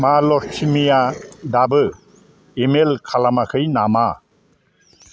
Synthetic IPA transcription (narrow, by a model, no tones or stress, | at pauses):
malɔtʰimijadabɯ | emelkʰalamakʰɯjnama